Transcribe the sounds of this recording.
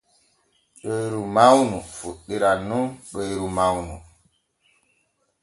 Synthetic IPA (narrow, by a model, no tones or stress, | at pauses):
ɗojɾumawnufuɗːiɾanunɗojɾumawnṵ